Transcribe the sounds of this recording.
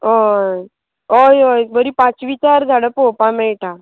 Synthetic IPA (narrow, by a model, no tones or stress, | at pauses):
ɦoj | ojojbəɾipãt͡sʋit͡ɕaɾd͡zʱaɽəpopameɭʈʰa